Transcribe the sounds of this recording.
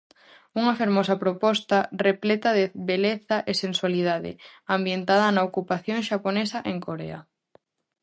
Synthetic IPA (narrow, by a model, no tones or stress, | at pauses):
uŋɐfeɾmɔsɐpɾopɔst̪ɐreplɛt̪ɐðeβeleθaʔesenswaliðaðɪ̰ambjent̪að̞ɐnaokupaθjoŋʃaponesɐʔeŋkoɾḛa̰